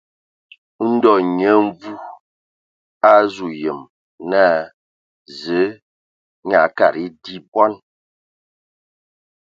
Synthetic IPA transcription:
n̩˦dɔ˨ɲə˨˦ɱ˦vu˦ | a˦zu˨jə˨m | na˦ | zə˨˦ | ɲa˨ka˨ɾi˦di˦bwa˦n

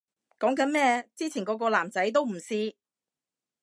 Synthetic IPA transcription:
kɔː˨˥ŋkɐ˨˥nmɛː˥t͡siː˥t͡sʰiː˨˩nkɔː˨˧˥k̬ɔː˧laː˨˩mt͡sɐ˨˥jt̪̬o˥wm̩˨˩siː˧

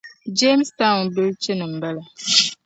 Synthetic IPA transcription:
d͡ʒe˦m˦sta˦˨nbɨ˦lt͡ʃɪ˦nɨ˨m̩˨ba˦la˨

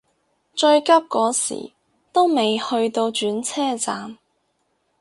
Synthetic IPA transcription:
t͡ʃɵ˧ɥkɐ˥p̚kɔː˨˥sḭː˨˩ | t̪o˥wme˨jhɵ˧ɥt̪o˧wt͡ʃyː˨˥nt͡sʰɛː˥t͡saː˨m

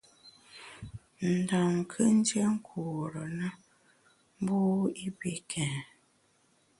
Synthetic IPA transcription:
n̩˨da˨ŋ˨kʰə˦n̩˦d͡ʒje˦ŋ̩˦kʰu˨ɾə˨nə˦ | m̩˦bu˦i˦bi˦kʰɛ̃˨

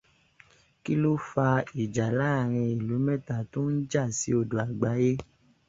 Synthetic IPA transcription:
ki˦lo˦fa˧i˨d͡ʒa˨la˨˦a˦˨ɾ̃ĩ˧i˨lu˨˦mɛ̃˦ta˦˨to˦n̩˦d͡ʒa˦˨si˨˦o˧˨do˨a˨ɡ͡ba˨˦je˦

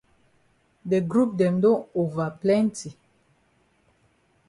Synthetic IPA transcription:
de˨ɡɾu˦p̚dɛ˨mdɔ̃˦no˨va˨plɛ̃˦nti˨

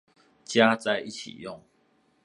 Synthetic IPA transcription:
t͡ɕja˦t͡sa˥˧ɪʔi˦˩t͡ɕʰḭ˨˩jɔ˥˨ŋ

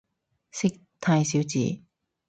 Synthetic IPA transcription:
sɪ˥k̚t̪ʰaː˧jsiː˨˥wt͡sḭː˨˧

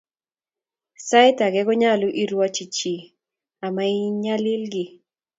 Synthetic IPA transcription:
sa˦ɪ˦ta˨ɡɛ˦ɡɔ˦ɲa˦lʊ˦ʔi˦ɾwɔ˦t͡ʃi˨t͡ʃi˨ | a˨ma˦i˦ɲa˦lɪ˦lɡɪ˦

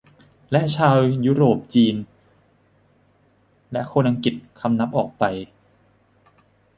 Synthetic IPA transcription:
lɛ˦˥ʔt͡ɕʰaː˧wjuː˦˥ɾoː˨˩p̚t͡ɕiː˧n | lɛ˦˥ʔkʰoː˧nʔa˧ŋki˨˩t̪̚kʰa˧mna˦˥p̚ʔɔː˨˩k̚pa˧j

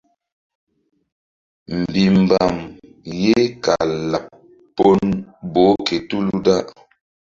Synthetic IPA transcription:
m̩˨bi˨m̩˨ba˨m | je˦ka˨la˨p̚ | pːo˦nbo˨˦ke˨tu˦lu˦da˦ʔ

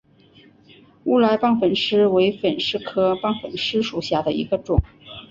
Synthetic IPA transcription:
u˥˩la˧˥ɪpɑ˥˧ŋfə˨˩nʂɻ̩˥we˧˥ɪfə˨˩nʂɻ̩˥˧kʰɤ˥pɑ˥˩ŋfə˨˩nʂɻ̩˥ʂu˨˩ɕja˥˩d̪ə˩ḭ˧˥ɡə˧ʈ͡ʂʊ˨˩˦ŋ

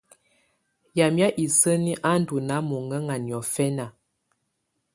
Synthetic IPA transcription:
ja˨mja˦ʔi˨sə˦ni˦ʔa˦n˦du˨na˨˦mo˨ŋə˦ŋa˨njɔ˨fɛ˦na˨

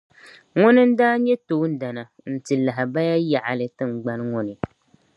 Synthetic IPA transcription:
ŋʊ˦nɨ˦n̩˦daː˦ɲɛ˦to˨˦n̩˦da˨na˨ | n̩˨tɨ˨la˨ɦɪ˨ba˦ja˦ja˨ʔa̰˨lɨ˨tɨ˦ŋ͡m̩˨ɡ͡ba˦n˦ŋɔ˦nɨ˨

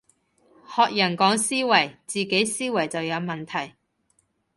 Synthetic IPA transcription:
hɔː˨k̚jɐ˨˩nkɔː˨˥ŋsiː˥wɐ˨˩jt͡siː˨ke˨˥jsiː˥wɐ˨˩jt͡sɐ˨wjɐ˨˧wmɐ˨nt̪ʰɐ˨˩j

